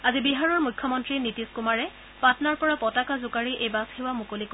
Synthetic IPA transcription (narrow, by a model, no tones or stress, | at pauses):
azibiɦaɹɔɹmujkʰːɔmɔntɹinitiskumaɹɛ | patnaɹpɔɹapɔtakazʊkaɹiʔejbashewamukolik